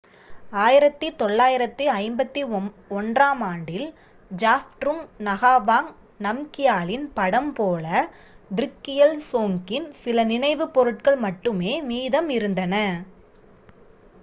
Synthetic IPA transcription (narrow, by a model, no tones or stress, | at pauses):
aːjɪɾɐt̪ːit̪ɔɭːaːjɪɾɐt̪ːɯɐɪmbɐt̪ːi | ɔndraːmaːɳɖɪl | d͡ʒaːfʈɾɯmnɐɣaːʋaːŋ | nɐmkɪjaːlɪnpɐɽɐmpoːlɐ | d̪ɪɾɪkːɪjɐlsoːŋkɪnsɪlɐnɪnɐɪʋɯpːɔɾɯʈ̚kɐɭmɐʈːɯmeːmiːðɐmɪɾɯnd̪ɐnɐ